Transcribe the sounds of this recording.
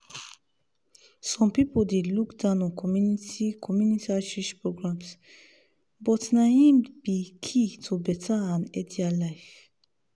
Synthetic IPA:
sɔ̃mpipʰɔd̪ilukd̪anɔkʰɔmjunitʰikʰɔmjunit̪iaʃiʃpʰɾɔɡɾams | bɔt̪naimb̥ikʰit̪ʰobɛt̪ʰaãned̪ialajf

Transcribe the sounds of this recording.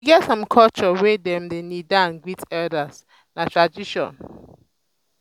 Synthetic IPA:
iɡɛtsãmkʰɔlt͡ʃɔwedɛ̃mdenidãnɡwitɛdas | natʰɹad͡ʒiʃɔ̰̃n

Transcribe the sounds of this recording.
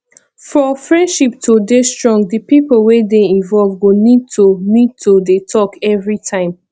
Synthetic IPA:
fɹɔ̃fɹɛ̃ndʃip̚tʰodestɹɔ̃ŋɡdipipolwedeĩnvɔlvɡonid̚tʰonid̚tʰodetʰɔkʰɛvɹitʰãɪ̃m

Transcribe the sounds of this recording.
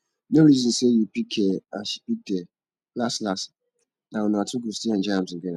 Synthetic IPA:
nõɾizɔ̃nsejupikʰɛapidɛ | laslas | nãwɔnʊ̃atʰʊbustiãnd͡ʒãsɪ̃ɡɛ̃nã

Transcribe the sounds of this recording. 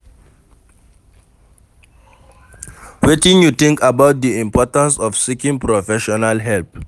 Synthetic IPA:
wetĩnjutĩŋkabaʊt̚diĩmpɔtãnsɔfsikĩŋpɹɔfɛʃɔnalɦɛlp̚

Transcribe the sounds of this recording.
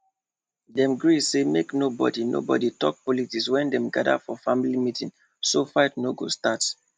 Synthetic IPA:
dɛ̃mɡɹisemeknobɔ̰dino̰bɔ̰ditɔk̚pɔlitikswɛ̃ndɛ̃mɡada̰fɔfamilimitĩn | sofaɪtnoɡo̰stat

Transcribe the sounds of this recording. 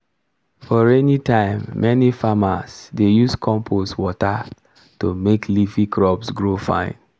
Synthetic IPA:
fɔɹɛnitãɪ̃mːɛnifamasdejuskʰɔ̃mpʰoswɔta | tomeklifikʰɹɔpsɡɹofã̰ɪ̃n

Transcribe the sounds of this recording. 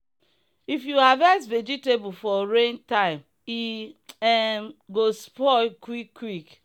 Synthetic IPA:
ifjuhavɛsved͡ʒitebufɔɾẽntaɪm | iɛmɡospɔkwikːwik

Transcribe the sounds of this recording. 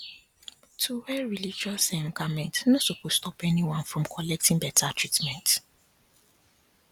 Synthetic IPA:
tʰuwɛɹilid͡ʒɔsɛ̃nkamɛ̃ntnãsokostʰɔpɛniwãnfɹɔ̃mkʰɔlɛk̚tĩŋbɛtʰatʰɹitmɛ̃nt

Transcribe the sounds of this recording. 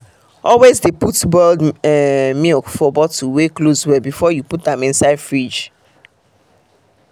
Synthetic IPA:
ɔlwezdeputbɛld | mikfɔbɔtuweklozwɛbifɔjuput̚dãmĩnsaɪdfɹid͡ʒ

